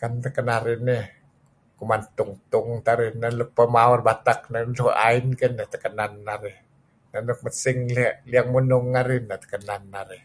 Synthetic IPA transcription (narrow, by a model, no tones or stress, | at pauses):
kant̪akanaɾini | kumant̪ʊŋt̪uŋt̪aɾinanluk̚pamawɾbat̪ak̚nat̪ʰuʔa̰jnkənat̪akananːaɾi | nanluk̚masiŋlɛʔliəŋmunuŋːaɾinːat̪ḁkananːaɾi